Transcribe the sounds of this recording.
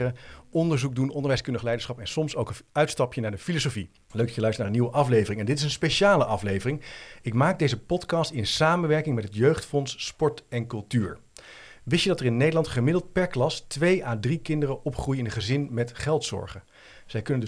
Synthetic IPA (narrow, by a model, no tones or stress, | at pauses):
əɔndəɹzuk̚dunɔndəɹʋɛjskɵndəχəlɛjdəɹsχɑpɛnsɔmsowkəœɥtstɑpjənaːɹdəfilosofi | løɥk̚dɑjəlœɥstənaːəniwəʔɑflejvərɪŋɛndɪtɪsənspejʃaːləʔɑflejvərɪŋɪkmaːɡ̚dejzəpɔtkɑstɪnsaːmənʋɛɹkɪŋmɛtɦətjøɥχtfɔnspɔɹtɛnkɵlˠtyːɹ | ʋɪsədɑtəɹɪnːejdəlɑntχəmɪdəlˠt̚pɛɹklɑstʋejaːdrikɪndərəɔpχrujɪnəχəzɪnmɛtχɛlˠtsɔ̰ɹχə | z̥ɛjkɵnənd